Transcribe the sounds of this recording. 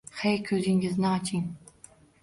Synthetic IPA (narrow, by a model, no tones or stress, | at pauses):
χejkʲʰɵzɪŋɡɪznɪɑt͡ʃʰiŋ